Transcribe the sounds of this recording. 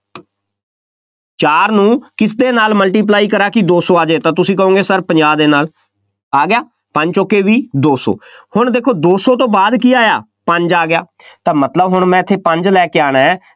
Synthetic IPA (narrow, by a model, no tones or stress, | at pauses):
t͡ʃaːɾnũːkɪs̬d̪eːnaːlməlʈiːp̬laːiːkəɾaːkɪd̪oːsoːaːd͡ʒeːt̪ãːt̪ʊsĩːkəõːŋɡeːsəɾpəɲd͡ʒaːd̪eːnaːl | aːɡɪjaː | pəɲd͡ʒt͡ʃokːeːʋiːd̪oːso̰ːhʊɳd̪eːkʰoːd̪oːsɔːt̪õːbaːd̪k̬iːaːjaː | pəɲd͡ʒaːɡɪjaː | t̪ãːmət̪ləbɦʊɳmɛ̃ːɪt̪ʰːeːpəɲd͡ʒlɛːkeːaːñaɛː